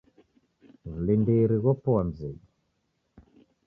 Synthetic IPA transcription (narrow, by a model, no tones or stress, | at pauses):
vulindiɾiɣɔpɔam̩zi